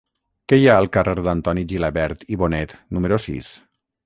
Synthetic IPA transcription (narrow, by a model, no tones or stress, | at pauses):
kɛjaəlˠkəreɾd̪ənt̪ɔniʒilaβɛɾt̪iβonɛt̪numəɾosḭs